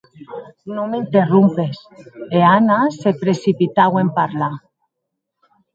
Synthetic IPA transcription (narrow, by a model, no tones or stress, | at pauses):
nomeint̪erumpe̞seanase̞pɾe̞sipit̪awe̞mpaɾla